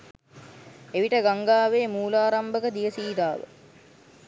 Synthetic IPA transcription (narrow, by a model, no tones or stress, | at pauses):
eʋiʈəɡaŋɡaːʋeːmuːlaːɾambəkəd̪ijəsiːd̪aːʋə̰